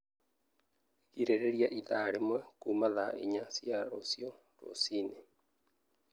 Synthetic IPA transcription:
kiɾeɾeɾiaʔiðaːɾemwɛkumaðaʔḭɲasiaɾosio | ɾo̰sine

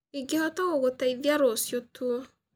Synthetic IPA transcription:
eɡehɔtɔɣoɣotaiðjaɾosjotʰwo

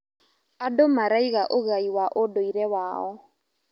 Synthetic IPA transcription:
adomaɾaiɣaʔoɣaiwaʔodoiɾɛwaɔ

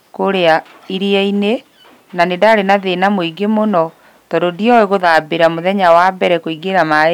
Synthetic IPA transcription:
koɾea | iɾiaine | nanedaɾenaðenamoiɡemonɔ | tɔdodiɔeɣoðaːbeɾamoðɛɲawabɛɾɛkoiɡeɾama

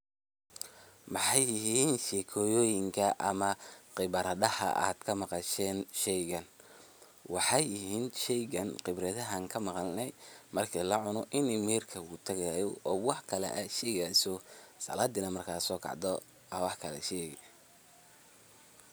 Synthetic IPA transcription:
mɑħɑjːɪɦiːnʃɛːkʰɔːjɔːjɪŋkʰɐʔɐmɐqɪβɐɾɐðɐhɐ̰ʔa̰ːd̪̥kʰɐmɑqɑʃɛːnʃɛjɣɐn | wɑħɑjːɪɦiːnʃɛjɣɐnqɪbɾɛðɐɦɐŋkʰɐmɑqɑlnɛjmɐrkʰiːlɐʕʊnɔʔɪnɪmiːrkʰɐut̪ʰɐɣɐjjɔʔɔːwɑħkʰɐlɛ̰ʔɐʃɛːɣaːsɔsɐ̰laːd̪ɪnɐmɐrkʰaːsɔːkʰɑ̰ʕd̪ɔ | ɐwɑħkʰɐlɛ̰ʃɛɣ

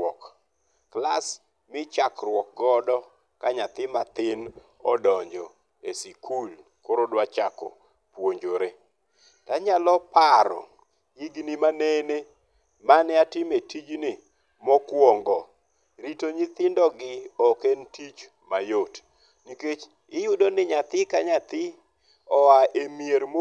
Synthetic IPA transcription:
ɔkː | las | mɪt͡ʃakrwɔk̚ɡɔdɔ | kaɲat̪ɪmat̪ɪn | ɔdɔɲd͡ʒɔ | esikʰul | koɾodwat͡ʃakɔ̰ | pwoɲd͡ʒoɾe | taɲalɔpaɾɔ̰ | jiɡnimanene | manɪatɪmetid͡ʒnɪ | mɔkwɔŋɡɔ | ɾitoɲit̪ɪndɔɡɪɔkentit͡ʃ | majot | niket͡ʃ | ɪjudonɪɲat̪ɪkaɲat̪ɪ | ɔaʔemjeɾmo

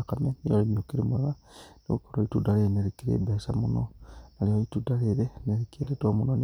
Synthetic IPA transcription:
kamenijolemiokiɾemuɾa | neṵkoɾoitudaɾeneɾekiɾḛbesa̰munonalioitudaɾeɾeneɾikeɾetomunon

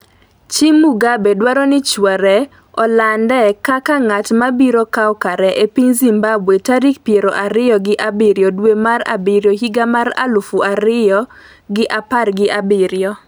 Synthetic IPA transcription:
t͡ʃimuɡabedwaɾɔnɪt͡ʃwaɾɛ | ɔlandɛkakaŋatmabiɾokawɔkaɾɛʔepiɲzimbabwetaɾikpjeɾoʔaɾɪjɔɡɪʔabɪɾjɔdwemaɾa̰bɪɾjɔhiɡamaɾa̰lufuaɾɪjɔ | ɡɪʔaparɡɪʔabɪɾjɔ

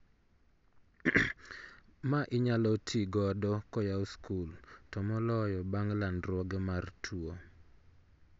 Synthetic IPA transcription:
maʔɪɲalɔtʰiɡɔdɔkɔjaoskultɔmɔlɔjɔbaŋlanɾwɔɡɛmartʰwuo

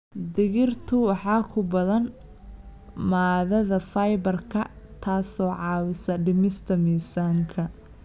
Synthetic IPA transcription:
d̪ɪɣɪrt̪ʰʊwɑħɑːkʰʊbɐðɐn | maːðɐðɐfɐjbɐrkʰɐt̪ʰaːsɔːʕɑːwɪsɐɖɪmɪst̪ʰɐmiːsaːŋkʰɐ

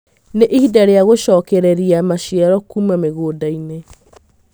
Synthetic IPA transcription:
neʔiidaɾeaɣoʃɔːkɛɾɛɾiamaʃiɛɾɔkumameɣoːdaine

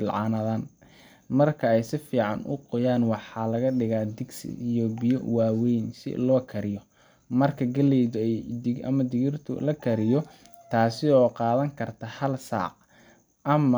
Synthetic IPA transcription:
lʕɑːnɐðaːn | mɐrkʰɐɛjsɪfiːʕɑnʔʊ̰qɔjaːnwɑħɑːlɐɣɐɖɪɣaːd̪ɪɡsɪ̰ijɔbɪjɔ̰waːwɛjnsɪ̰lɔːkʰɐɾɪjɔ | mɐrkʰɐɡɐlɛjðʊɛjʔɐ̰mɐd̪ɪɣɪrt̪ʰʊ̰lɐkʰɐɾɪjɔ | t̪ʰaːsɪɔːqɑːðɐŋkʰɐrt̪ʰɐhɐlsa̰ːq | ʔɐm

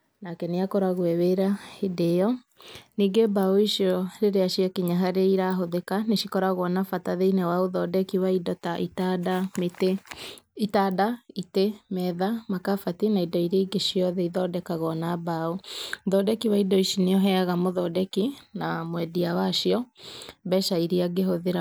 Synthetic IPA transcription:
nakɛneakɔɾaɣwɛweɾahidɛɔ | niːɡebaoiʃiɔɾeɾeaʃiakiɲaɦaɾeiɾaɦoðekaneʃikɔɾaɣɔnafataðeinɛwaoðɔdɛkiwaidɔtaʔitadameteitadaitemɛðamakafatinaidɔiɾeiɡeʃiɔðɛiðɔdɛkaɣɔnabauðɔdɛkiwaidɔiʃineɔɦɛaɣamoðɔdɛkinamwɛdiawaʃiɔbɛʃaiɾiaɡeɦoðeɾa

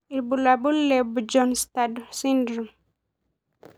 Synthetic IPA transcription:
ibulabulːɛbd͡ʒɔnst̪adsindɾu

